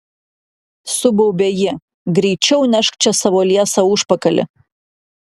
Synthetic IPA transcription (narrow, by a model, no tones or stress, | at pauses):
sʊbɐʊbʲejɪ | ɡɾʲɛɪt͡ʃʲɛʊnʲɛʃkt͡ʃʲɛsɑʋoːlʲiɛsɐuʃpɐkɐlʲɪ̰